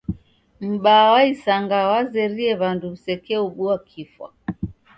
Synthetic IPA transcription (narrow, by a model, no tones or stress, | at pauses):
m̩ɓawaisaŋɡawazɛɾiɛβandusɛkɛuɓuakʰifwa̰